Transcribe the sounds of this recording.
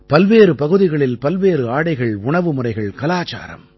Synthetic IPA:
pɐlʋeːɾɯpɐɣɯðɪɣɐɭɪlpɐlʋeːɾɯaːɽɐɪɣɐɭʊɳɐʋɯmʊrɐɪɣɐɭkɐlaːt͡ʃa̰ːɾɐ̰m

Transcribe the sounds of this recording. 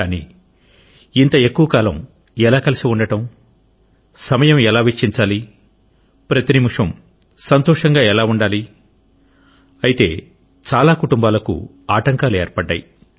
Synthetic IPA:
kaːnḭː | int̪ɐe̞kːuʋɐkaːlɐm | ɛlaːkɐlisiuɳɖɐʈɐm | sɐmɐjɐmɛlaːʋikt͡ʃiɲt͡ʃaːli | pɾɐt̪inimuʂɐm | sɐnt̪ɔːʂɐŋɡaːɛlaːuɳɖaːli | ɐjit̪e̞̰ː | t͡ʃaːlaːkuʈumbaːlɐkṵ | aːʈɐŋkaːlueːɾpɐɖːa̰ːji

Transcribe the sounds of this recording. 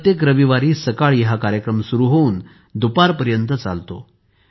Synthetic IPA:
t̪jek̬ɾəʋiʋaɾiːsəkaɭjiɦakaɾjəkɾəmsuɾuɦoun | d̪upaɾpəɾjənt̪ət͡sa̰lt̪o̰

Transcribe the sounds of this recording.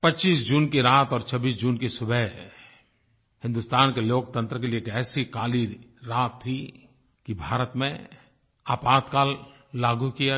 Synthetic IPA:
pətːt͡ʃiːsd͡ʒuːnkiɾaːt̪ɔːɾt͡ʃʰəbiːsd͡ʒuːnkisʊbʱɛ | hɪ̃nd̪ʊst̪aːnkeloːkt̪ə̃nt̪ɾək̬eliekɛːsikaːliɾaːt̪ʰːi | kibʱaːɾət̪mẽ | aːpaːt̪kaːlː | aːɡukia

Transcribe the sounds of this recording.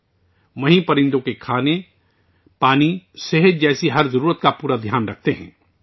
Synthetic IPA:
mɐɦĩpɐɾɪ̃nd̪õkekʰaːne | paːniseɦəd͡ʒɛːsiɦɐɾzɐɾuːɾət̪kapuːɾad̪ʱjaːnɾɐk̚ʰt̪eɦɛ̰̃ː

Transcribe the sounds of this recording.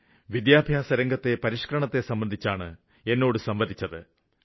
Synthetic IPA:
ʋid̪jaːbʱjaːsɐɾɐŋɡɐt̪ːe̞pɐɾiʂkɐɾɐɳɐt̪ːe̞sɐmbɐnd̪ʱit͡ɕːaːɳɨ | e̞nːo̞ːɽɨsɐmbɐnd̪ʱit͡ɕːɐðɨ̰

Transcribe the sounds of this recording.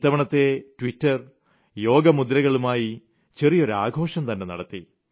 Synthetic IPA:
t̪ɐʋɐɳɐt̪ːe̞twitːɐr | jo̞ːɡɐmud̪ɾɐɣɐɭumaːji | t͡ɕe̞rijo̞ɾuaːɡʱo̞ːʂɐmt̪ɐnːe̞nɐ̰ɽɐt̪ːi

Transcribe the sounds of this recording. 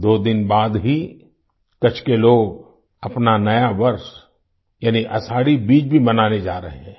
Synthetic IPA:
d̪oːd̪ɪnbaːd̪ɦi | kɐt͡ʃʰkeloːɡ | ɐpnanɐjaʋɐɾʃ | jaːniʔɐsaːɽibiːt͡ʃbʱibɐnaːned͡ʒaːɾɐɦeɦɛ̃ː

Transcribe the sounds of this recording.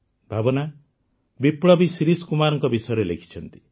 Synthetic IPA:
bʱabɔna | bipɭɔbisiɾiskumaɾɔŋkɔbisɔjɔɾelekʰi̥t͡ʃʰɔnt̪i̥

